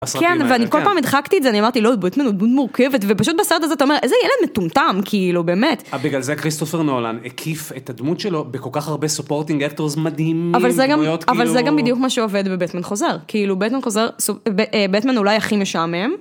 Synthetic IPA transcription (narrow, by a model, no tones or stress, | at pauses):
kenveanikolpaːmid̪χakt̪iezeaniamaʁt̪ilodbet̪manud̪mutmuʁkevet̪vepaʃut̪̚baseʁet̪azeat̪aome̞ʁʔezejeled̪metumtamkʰiilube̞ːmetbiɡlalzekʁist̪ofeʁnolanekʰifet̪ad̪mut̪ʃelo̞beko̞lkaχaʁbesupo̞ʁt̪iŋɡek̚t̪oʁzmadhimavvalzeɡamotavalzeɡambid̪ijukmaʃeoved̪bebtmanχo̞zeʁkiilubetmanχozeʁsobbetmanulajaχimeʃamem